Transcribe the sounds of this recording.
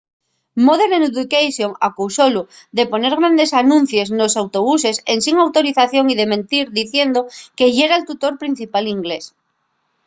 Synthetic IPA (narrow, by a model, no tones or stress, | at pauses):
moð̞eɾenuðukejsjoŋakusolu | ðe̞po̞ne̞ɾɣɾand̪esanũn̟θje̞znosawt̪o̞β̞use̞sensiŋawt̪o̞ɾiθaθjoŋið̞e̞mẽnt̪iɾðiθje̞nd̪oke̞ʝeɾaelt̪ut̪o̞ɾpɾin̟θipaliŋɡles